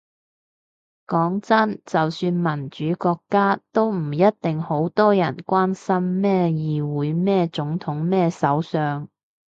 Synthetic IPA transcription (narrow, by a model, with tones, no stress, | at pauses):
kɔː˨˥ŋt͡sɐ˥nt͡sɐ˨wsyː˧nmɐ˨˩nt͡ʃyː˨˥kɔː˧kːaː˥t̪o˥wm̩˨˩jɐ˥t̚t̪ɪ˨ŋho˨˥wt̪ɔː˥jɐ˨˩nkʷaː˥nsɐ˥mːɛː˥jiː˨wuː˨˧˥jmɛː˥t͡sʊ˨˥ŋt̪ʰʊ˨˥ŋmɛː˥sɐ˨˥wsœː˨ŋ